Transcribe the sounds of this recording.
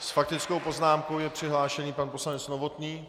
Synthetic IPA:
sfak̚t̪ɪt͡sko̞wpo̞znaːmko̞wjɛpr̝̥ɪɦlaːʃɛɲiːpanpo̞slanɛt͡snovo̞t̪ɲiː

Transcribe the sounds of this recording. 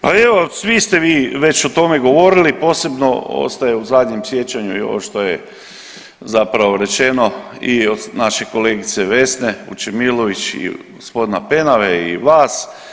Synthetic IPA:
pae̞ʋo̞sʋist̪e̞ʋiːʋe̞t͡ɕot̪o̞me̞ɡo̞ʋo̞ɾilipo̞ːse̞bno̰o̰st̪ajeuzad̪ɲemsje̞t͡ɕaɲuio̞̰ʋoʃt̪o̞je | zapɾaʋoɾe̞t͡ʃe̞no̞ionaʃe̞ko̞leːɡit̪seʋe̞sne̞ṵt͡ʃemiloʋit͡ʃḭɡospo̞d̪inape̞naʋeḭʋaːs

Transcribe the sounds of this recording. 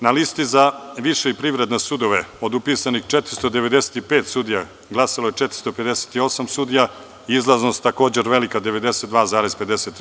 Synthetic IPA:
nalist̪izaʋiʃeipɾiʋɾed̪nesud̪o̞ʋeo̞d̪upiːsanixt͡ʃet̪ɾist̪od̪e̞ʋe̞d̪ese̥t̪ipeːt̪sud̪ija | ɡlˠasaloje̞t͡ʃɛt̪ɾist̪o̞pe̞d̪ese̥t̪io̞samsud̪ija | iizlˠaznost̪ːako̞ːd͡ʑeɾʋe̞likad̪eʋe̞d̪eset̪d̪ʋaːzaːɾezpe̞d̪eset̪ːɾ

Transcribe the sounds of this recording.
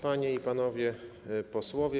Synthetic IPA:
paɲɛipan̪ɔvʲjɛ | pɔswɔvʲjɛ

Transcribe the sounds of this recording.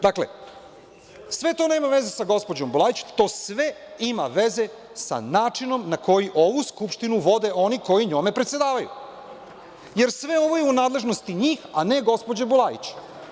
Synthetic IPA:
d̪aklḛ | sʋe̞t̪o̞neːmaʋe̞zesaɡo̞spo̞d͡ʑo̞mbulˠaːjit͡ɕt̪o̞ːsʋe̞imaʋe̞ze̞ | sa̰naːt͡ʂino̞mnako̞jiʔo̞ʋuskupʃt̪inuʋo̞d̪e̞ʔo̞niko̞jiɲo̞me̞pɾet̪sje̞d̪aːʋajṵ | je̞ɾsʋe̞o̞ʋo̞jeunaːd̪lˠe̞ʒno̞st̪iɲiːxane̞ɡo̞spo̞d͡ʑebulˠajḭt͡ɕ

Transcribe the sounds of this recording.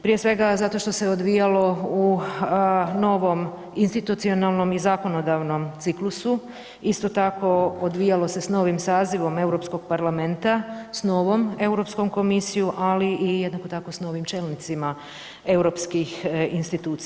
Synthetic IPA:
pɾije̞sʋe̞ɡazat̪o̞ʃt̪ose̞od̪ʋijalo̞u | no̞ʋo̞m | inst̪it̪ut̪sio̞nalˠno̞mizako̞no̞d̪aʋno̞mt̪siklusu | ist̪o̞t̪ako̞od̪ʋijalo̞se̞sno̞ʋimsaːziʋo̞me̞wɾo̞psko̞ɡ̥paɾlamẽ̞nt̪asno̞ːʋome̞wɾo̞psko̞mko̞misijuʔaliijed̪nakot̪ako̞sno̞ːʋimt͡ʃe̞lnit̪sima | e̞wɾo̞pskixinst̪it̪uːt̪s

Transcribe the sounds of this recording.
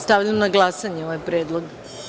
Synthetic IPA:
st̪aʋʎamnaɡlˠasaɲeoʋajpɾeːd̪lˠoɡ

